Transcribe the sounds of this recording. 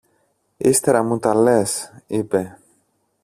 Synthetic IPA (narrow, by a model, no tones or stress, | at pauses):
ist̪eɾɐmut̪ɐle̞sipe̞